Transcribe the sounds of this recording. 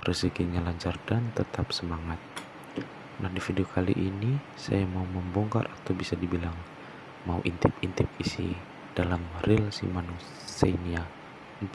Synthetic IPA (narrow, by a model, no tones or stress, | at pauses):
rəsəkiɲalaɲt͡ʃardant̪ət̪ʰapsəmaŋat̪̚ | nahdifidiokʰalḭʔini | sa̰jamauməmbɔŋka̰rat̪awbisadibilaŋ | maṵʔḭnt̪ɪpint̪ɪp̚isḭ | d̥alamrilsḭmanu | senia